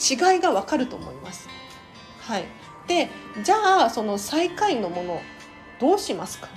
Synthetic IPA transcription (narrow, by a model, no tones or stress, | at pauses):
t͡ɕiɡaiɡaβakaɾɯ̟t̪o̞mo̞̰imasɨ̥ | hai | d̪̥e̞d͡ʑaːso̞no̞saikaino̞mo̞no̞ | d̪̥o̞ːɕimasɨ̥kḁ